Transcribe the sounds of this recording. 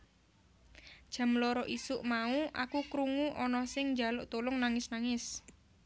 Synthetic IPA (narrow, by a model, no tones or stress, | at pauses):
d̥ʒ̥a̤mlɔɾɔʔisʊʔmauʔa̰kukɾuŋuʔɔnɔsɪŋɲd͡ʒa̤lʊʔt̪olʊŋnaŋɪsnaŋɪs